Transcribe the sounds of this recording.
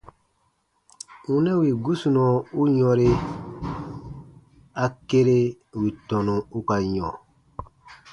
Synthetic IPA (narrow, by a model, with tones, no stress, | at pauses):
u˦nɛ̃˦wi˨ɡu˦su˨nɔ̃˨u˦ɲɔ̃˧ɾe˦ | a˨ke˦ɾe˦ | wi˨tɔ̃˨nũ˨u˦ka˨ɲɔ̰̃˨